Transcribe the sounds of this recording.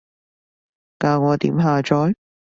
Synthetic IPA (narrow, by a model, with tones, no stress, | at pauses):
kaː˧ŋɔː˨˧t̪ḭː˨˥mɦaː˨˧t͡ʃɔː˨˥j